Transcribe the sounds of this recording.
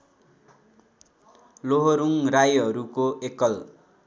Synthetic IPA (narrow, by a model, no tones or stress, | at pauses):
loɦoɾuŋrajɦʌɾukoekʌl